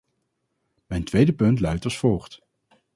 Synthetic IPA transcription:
mɛjntʋejdəpɵntlœɥtɑsfoːχt

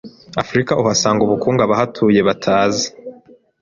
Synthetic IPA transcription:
afɾikaʔuɦasaːŋɡuβukuːŋɡaβaɦatʰuːje̞βatʰaːzi̥

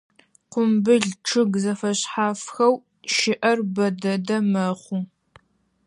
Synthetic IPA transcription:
qʷʊmbɨɮʈ͡ʂʰɨɡzɐfɐɕħaːfxɐw | ʃɪʔɐrbɐdɐdɐmɐχʷu

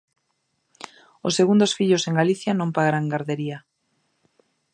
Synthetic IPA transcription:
osːeɣund̪osfiʎoseŋɡaliθjanõmpaɣaɾaŋɡaɾðeɾia

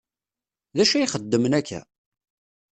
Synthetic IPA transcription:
ðæʃæiχəd̪ːəmənækːæ̰

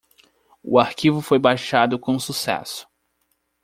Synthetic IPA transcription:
ʊ̰aɾkivʊfojbajʃad̪ʊkõsusɛ̰sʊ̥

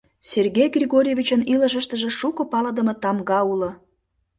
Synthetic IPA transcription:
serɣejɡrʲeɣoɾʲevʲit͡ɕənilə̆ʒə̆ʃt̪əʒĕʃukopɑləd̪ə̆met̪ɑmɣɑulŏ

